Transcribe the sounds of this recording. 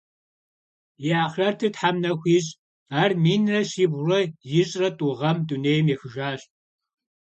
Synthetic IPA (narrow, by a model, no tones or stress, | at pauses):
jɪaːχrɐrtʰɨtħamnɐxʷiːɕʼ | aːrmiːnrɐɕiːbrɐjɪɕʼrɐtʼuʁɐmduneːjmjɛxɨʒaːɕ